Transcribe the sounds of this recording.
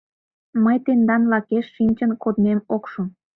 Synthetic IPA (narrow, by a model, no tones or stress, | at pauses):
məjt̪end̪ɑnlɑkeʃːinʲt͡ɕənkod̪nemokʃum